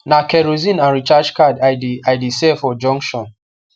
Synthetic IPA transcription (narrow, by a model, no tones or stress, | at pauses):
nakɛɾozĩnãnɹit͡ʃad͡ʒkadaajdisɛfɔd͡ʒɔ̃ŋkʃɔ̃n